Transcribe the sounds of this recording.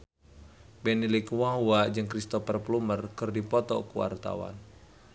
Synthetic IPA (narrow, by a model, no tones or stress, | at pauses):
bɛnilikwaɦuad͡ʒɨŋkɾist̪ɔpərplumərkɨrdipɔt̪ɔ̰kuwa̰rt̪a̰wa̰n